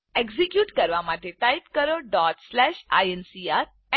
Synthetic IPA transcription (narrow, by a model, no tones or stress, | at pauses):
eɡzikjuːʈkəɾʋamaʈeʈajpkəɾoɖɔʈslɛʃa̰jensiaɾ | ɛ